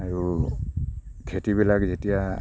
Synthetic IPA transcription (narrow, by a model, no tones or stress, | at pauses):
aɹu | kʰetibilakzetija